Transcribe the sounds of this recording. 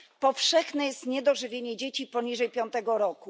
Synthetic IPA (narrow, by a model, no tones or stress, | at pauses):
pɔfʂɛxnɛjɛst̪ɲɛd̪ɔʐɘvʲjeɲɛd͡ʑet͡ɕipɔɲiʐɛjpʲjɔnt̪ɛɡɔɾɔku